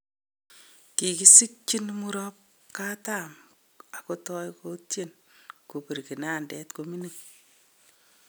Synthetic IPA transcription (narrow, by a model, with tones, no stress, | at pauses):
ki˨ki˦si˦k̚t͡ʃi˦nmu˦ɾɔ˦p̚ | ka˦ta˨m | a˨ko˦tɔ˦jko˦tje˨n | ku˨pi˨ɾki˨na˦ndɛ˦tkomi˦nu˨ŋ